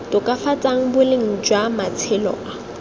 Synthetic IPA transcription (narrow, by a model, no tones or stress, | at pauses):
tʼʊkʼafat͡sʼaŋ̩bʊlɪŋ̩d͡ʒwamat͡sʰɪlɔ̰ːa